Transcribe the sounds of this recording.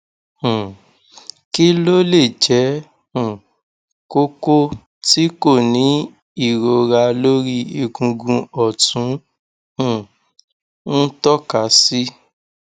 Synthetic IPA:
h̩˨ | ki˦lo˦le˦˨d͡ʒɛ˨˦ | hũ˨ | ko˦ko˦ | ti˦ko˦˨nĩ˨˦ | i˦˨ɾo˨˧ɾa˧lo˦ɾi˦i˧ɡũ˧ɡũ˧ɔ˨tũ˨˦ | hũ˨ | n̩˦tɔ˦ka˨˦si˦

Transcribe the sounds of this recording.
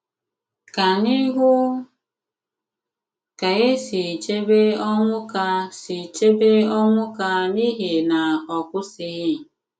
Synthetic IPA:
ka˨ni˦ɦʊ˦ | ka˨e˦si˨t͡ʃe˦be˦ɔ˦ŋʷʊ˦ka˦si˨t͡ʃe˦be˦ɔ˦ŋʷʊ˦ka˦ni˦ɦi˨na˨ɔ˨kʷʊ˦si˦ɪ˦˨

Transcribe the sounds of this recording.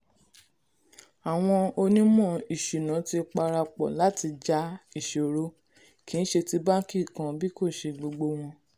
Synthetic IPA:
a˨w̃ɔ̃˧o˧nĩ˦mɔ̃˦˨i˨ʃi˨nã˨˦ti˧k͡pa˧ɾa˧k͡pɔ̰˨la˨˦ti˧d͡ʒa˦i˦˨ʃe˨o˨ɾo˧˦ | ki˦ñ̩˦ʃe˧ti˧ba˦ki˦˨kã˧bi˦ko˦˨ʃe˧ɡ͡bo˧ɡ͡bo˧w̃ɔ̃˧

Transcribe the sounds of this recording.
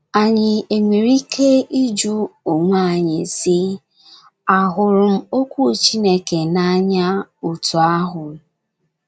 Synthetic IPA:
a˨ɲɪ˨e˨mi˨ɾi˦kʰe˦i˦d͡ʒu˦ʊ˨ŋʷa˦˨ɲɪ˨sɪ˦ | a˨ɦʊ˨ɾʊ˨m̩˦o˦kʷu˦˨t͡ʃi˦ne˦ke˨na˦ɲa˦u˨tu˨a˦ɦʊ˨

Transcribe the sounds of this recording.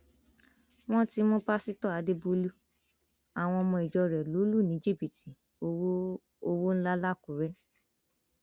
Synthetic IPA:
w̃ɔ̃˦ti˦mɔ̃˦ba˦si˦tɔ˦˨a˨˧de˦bo˧lu˦ | a˨w̃ɔ̃˧mɔ̃˧i˨d͡ʒɔ˧ɾɛ˨lo˨˦lu˦˨nĩ˨˦d͡ʒi˦˨bi˨ti˨ | o˧wo˦n̩˦la˦la˦ku˨ɾɛ˦

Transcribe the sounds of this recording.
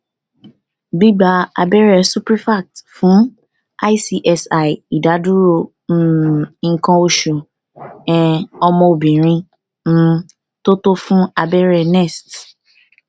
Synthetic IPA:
bi˦ɡ͡ba˧a̰˧bɛ˦ɾɛ˦˨su˦pɾi˦fa˦˨k̚tfũ˨˦ | a˦i˦si˧ʔɛ˧sa˨ji˨da˨˦du˦ɾo˧˦ | ŋ̩˧kã˧o˧ʃo˨ | ɛ̃˨ɔ˧mɔ̃˧o˨bĩ˨ɾ̃ĩ˧ | m̩˦ | to˦to˦fũ˦a˧bɛ˦ɾɛ˧nɛ˦˨st

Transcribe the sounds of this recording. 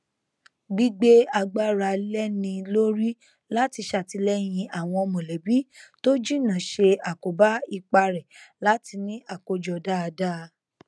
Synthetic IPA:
ɡ͡bi˦ɡ͡be˦a˧ɡ͡ba˦ɾa˧lɛ˦nĩ˧lo˦ɾi˦ | la˦ti˧ʃa˨ti˧lɛ˦jĩ˧a˨w̃ɔ̃˧ɔ˧mõ˨lɛ˨bi˨˦to˦d͡ʒĩ˦nã˨ʃe˧a˨ko˨ba˦i˧˨k͡pa˧ɾɛ˨la˦ti˧nĩ˦a˦˨ko˨d͡ʒɔ˨da˦˧da˦˧

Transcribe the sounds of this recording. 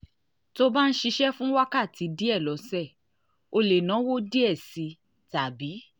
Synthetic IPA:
to˦ba˦n̩˦ʃi˧ʃɛ˦fũ˦wa˦ka˦˨ti˨˦di˦ɛ˦˨lɔ˨˦sɛ˦˨ | o˧le˨nã˨˦wo˦di˦ɛ˦˨si˨˧ | ta˨bi˨˦

